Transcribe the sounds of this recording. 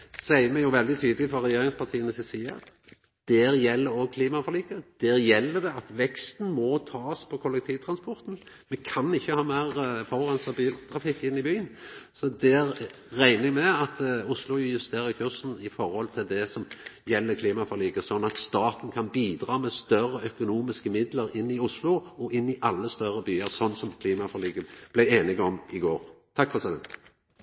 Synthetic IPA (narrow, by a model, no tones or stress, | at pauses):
sæɪəmɛjʊʋɛld̪ɪt̪ʰyːd̪əlɪfɔɾɾɛjeːɾɪŋspʰɑʁt̪ʰiːənəsɪsiːə̰ | d̪̥æːɾjɛlːəɾɔɡ̚kʰliːmɑfɔʁliːkəd̪̥æːɾjɛlːəd̪ɛɑt̪ʋɛkst̪n̩mɔt̪ʰɑːspʰɔkʰɔlɛk̚t̪ʰiːʋt̪ʰɾɑnspɔʁt̪n | mɛkʰɑnɪçːəhɑːmæɪʁfɔʁɑnst̪ɑbiːlt̪ʰɾɑfɪkːɪnːɪbyːənsɔd̪ɛæɾː | æɪnəmɛɑt̪ʊslʊjʉst̪eːɾəkʰʉʁsn̩ɪfɔɾhɔlt̪ʰɪld̪ɛsɔmjɛlːəkʰliːmɑfɔʁliːɡəsɔnːɑt̪st̪ɑːt̪n̩kʰɑnbiːd̪ɾɑːmɛst̪œrəœkʊnuːmɪskəmɪd̪ləɾɪnːɪʊslʊɔʔɪnːɪʔɑlːəst̪œɾəbyːəɾsɔnːsɔmkʰliːmɑfɔʁliːɡəb̥læeːnɪɡɔmɪɡoːɾt̪ʰɑkːfɔʁsɛd̪ɛ̰n